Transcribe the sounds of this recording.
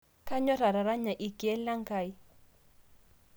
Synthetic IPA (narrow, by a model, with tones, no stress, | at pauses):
ka˦ɲɔ˦ɾa˨ɾa˨ɾa˦ɲa˨ʔi˨ɡɛ˦lːa˦ŋ˦ka˨i˦